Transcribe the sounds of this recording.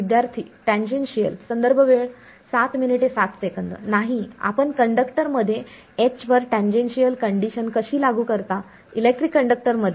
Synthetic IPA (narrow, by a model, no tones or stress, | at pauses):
ʋid̪jaɾt̪ʰiːʈæ̃ɲd͡ʑenɕijəlsənd̪əɾbʱəʋeɭ | sat̪miniʈesat̪sekənd̪ə̰naɦia̰pəɳkəɳɖəkʈəɾməd̪ʱːje | et͡ɕʋəɾʈãɲd͡ʑenɕijəlkəɳɖiɕənkəɕiːlaɡuːkəɾt̪a | ilek̚ʈɾikːəɳɖək̚ʈəɾməd̪ʱje